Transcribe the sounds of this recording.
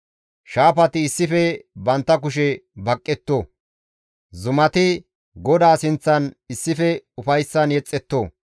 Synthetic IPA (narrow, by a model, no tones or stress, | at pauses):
ʃaːpɐt̪ɪːsːɪfɛbɐnt̪ːɐk̬ʊʃ̬ɛbɐkʼːɛt̪ːoː | zʊmɐt̪ɪ | ɡɔd̪aːsɪnt͡sːɐnɪsːɪfɛʊfɐjsːɐnjɛt͡sʼːɛt̪ːoː